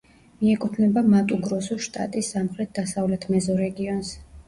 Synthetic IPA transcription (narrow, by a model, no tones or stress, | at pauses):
miɛkʼut̪ʰvnɛbamat̪ʼuɡɾɔsuʃt̪ʼa̰t̪ʼisːamχɾɛt̪̚d̪asavlɛt̪ʰmɛzɔɾɛɡiɔns